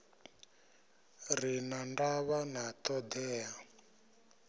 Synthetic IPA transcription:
rinandaβanat̪ɔd̪ɛːa

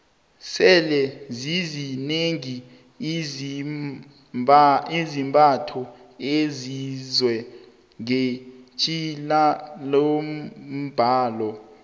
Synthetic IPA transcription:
sɛlɛzizineŋi | izimbʱʼatʰɔezizwɛ | ŋet͡ʃʼilalom̩m̩b̥ʱaːlɔ

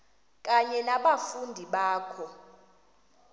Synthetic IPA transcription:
kʼaɲɛnaɓafundʱiɓaːkʰɔ

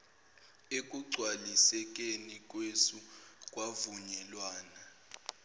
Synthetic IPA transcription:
ekʼuɡ͡ǀʱwalisɛk̬ʼenikʼwesukʼwavuɲɛlwaːna

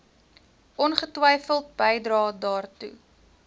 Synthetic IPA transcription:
ʔɔnχətwəjfəlˠt̚bəjdrɑːdɑːrtṵ

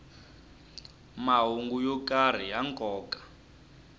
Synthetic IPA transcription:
maɦuŋɡujɔkʼar̤ijaŋkʼɔːkʼḁ

